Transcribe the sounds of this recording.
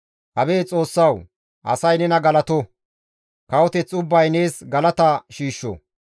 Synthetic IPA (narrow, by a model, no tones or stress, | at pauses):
hɐbeːt͡sʼo̞ːsːɐw | ʔɐ̰sɐjnɛnɐɡɐlɐt̪ɔ | kɐwɔt̪ɛt͡sːʊbːɐjne̞ːsɡɐlɐt̪ɐʃiːʃːɔ̰